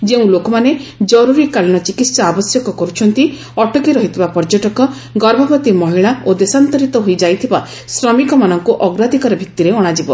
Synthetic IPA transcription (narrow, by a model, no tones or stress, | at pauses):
d͡ʒeũlokɔmaned͡ʒɔɾuɾikalñɔt͡ʃikit̪saabɔsjɔkɔkɔɾut͡ʃʰɔnt̪i | ɔʈɔkiɾɔɦit̪ʰibapɔɾd͡ʒɔʈɔkɔ | ɡɔɾbʱabɔt̪imɔɦiɭaod̪esant̪ɔɾit̪ɔɦojd͡ʒajt̪ʰiba | sɾɔmikɔmanɔŋkuʔɔɡɾad̪ʱikɔɾɔbʱik̚t̪iɾeɔɽ̃ad͡ʒibɔ